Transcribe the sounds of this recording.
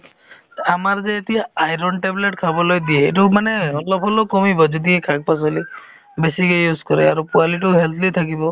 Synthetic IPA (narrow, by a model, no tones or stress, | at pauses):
amaɾd͡ʒeːt̪iaajɾɔnʈebleʈkʰabɔlojd̪ieːʈumaneɔlɔpʰɔlokɔmibɔd͡ʒud̪iekʰak̚pas̬ɔli | besikejuskɔɾeaɾupualiʈuɦelt̪ʰlit̪ʰak̬ibɔ